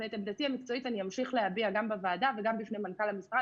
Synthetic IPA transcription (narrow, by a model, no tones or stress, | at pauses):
et̪abd̪atiamikt͡so̞itanijamʃiχlehabiaɡambevaːdaveɡambifnemankalhamisʁa